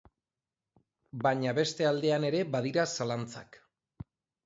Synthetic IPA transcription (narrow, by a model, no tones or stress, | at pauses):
baɲaβe̞st̪e̞ald̪e̞ane̞ɾe̞baðiɾasalant͡sa̰k